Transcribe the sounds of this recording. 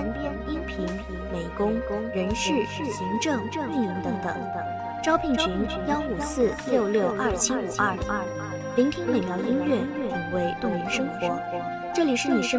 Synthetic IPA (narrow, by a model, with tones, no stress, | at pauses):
i˥npʰi˧˥n˧me˨˩ɪkʊ˥ŋ˥ɻə˧˥nʂɻ̩˥˩˥ɕi˧˥ŋʈ͡ʂɤ˥˩ŋ˥˧i˥˩mi˧˥ŋt̪ɤ˧˩˥ŋt̪ə̰˨˩˦ŋ˨˩ | ʈ͡ʂɑ˥ʊpʰi˥˩ŋt͡ɕʰi˧˥ŋ | jɑ˥ʊu˨˩sɹ̩˥˩ljo˥˧ʊljo˥˩ʊʔɐ˥˩t͡ɕʰi˥˩u˨˩ʔɐ˥˩˥ | li˧˥ŋt̪ʰi˥ŋme˨˩mjɑ˧˥ʊi˥nɥɛ˥˩˥i˨˩ŋwe˧˥ɪt̪ʊ˥˩ŋjə˧˥nʂɤ˥ŋxwɔ˧˥ | ʈ͡ʂɤ˥˩li˨˩ʂɻ̩˥˩ni˨˩ʂə˥